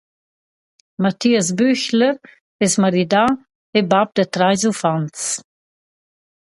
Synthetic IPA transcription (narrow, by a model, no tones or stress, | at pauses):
mat̪iːas̬byçləɾ | ɛsmaɾid̪a | ebab̚d̪ət̪ɾajzufant͡s